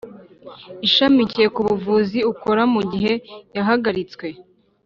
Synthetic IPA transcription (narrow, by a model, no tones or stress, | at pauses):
iʃamicije̞kuβuvuziuko̞ɾamuɟiɦe̞jaɦaɡaɾit͡skwe̞